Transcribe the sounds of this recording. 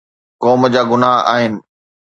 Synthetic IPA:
kɔːməd͡ʑaːɡʊnaːɦa̰ːɦɪnɪ̆

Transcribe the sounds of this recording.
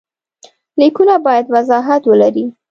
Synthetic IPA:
likunabɑjad̪wazɑɦat̪wəlaɾi

